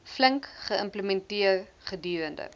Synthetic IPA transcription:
fləŋkχəəmpləmɛntiərχədyːɾəndə̰

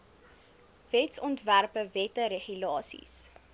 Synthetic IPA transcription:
vɛtsɔntværpəvɛtəɾeχylɑːsḭs

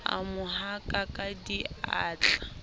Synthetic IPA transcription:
a̰mʊɦakʼakʼadiaːt͡ɬḁ

